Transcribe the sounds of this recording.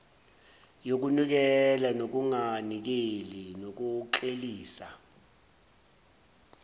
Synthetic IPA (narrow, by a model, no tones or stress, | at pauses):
jok̬unik̬ɛlanok̬uŋanik̬elinok̬uǃeliːsa